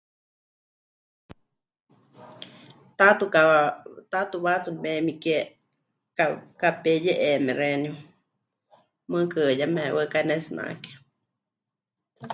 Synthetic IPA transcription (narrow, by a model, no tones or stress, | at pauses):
t̪at̪ukat̪at̪uβat͡sunmɛmike | kakapejɛʔemɛ̃ɾɛniu | mɨ̃kɨjamɛwəkanɛsɨna̰ke̥